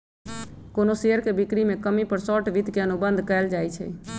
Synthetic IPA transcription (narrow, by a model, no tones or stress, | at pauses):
koːnoseːəɾkebɪkɾimẽkəmipəɾsɔːʈʋɪd̪ʱkeənubə̃nd̪ʱkəɪld͡ʒaːit͡ʃʰɛ̰ː